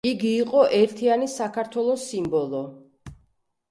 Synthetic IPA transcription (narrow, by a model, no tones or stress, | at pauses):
iɡiːqʼɔʔɛɾt̪ʰianisakʰaɾt̪ʰwɛlˠɔsːimbɔlˠɔ